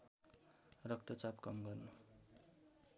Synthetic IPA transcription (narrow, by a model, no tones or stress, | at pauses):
rʌk̚t̪ʌt͡sapkʌmɡʌrnu